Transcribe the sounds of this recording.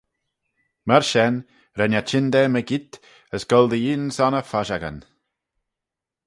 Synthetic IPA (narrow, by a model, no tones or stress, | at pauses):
məɾʃɛn | ɾɛnat͡ʃɪnd̪ɛməɡit̪ | əsɡ̥ɔld̪əiːnsɔnəfaʃaɡə̰n